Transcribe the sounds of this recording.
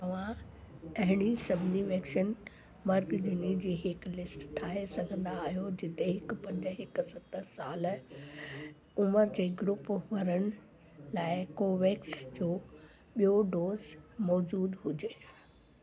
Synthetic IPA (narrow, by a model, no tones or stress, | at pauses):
t̪ɐʋ̤ãɐɦɪɽ̃isɐbʱɪniʋɐkʃən | mɐɾɡɗɪnid͡ʑeːɦɪklɪsʈʈ̪ʰːaːɦesɐɡʱə̃nd̪aːɦijod͡ʑɪt̪eɦɪkpɐ̃ɲd͡ʑə̆ɦɪksɐt̪əsaːl | ʊməɾd͡ʑeːɡɾupʋɐɾəɽ̃ɪ̆ | laːɪkoːʋeːksd͡ʑoː | ɓijoɖoːzmɔːd͡ʑuːd̪ɦʊd͡ʑeː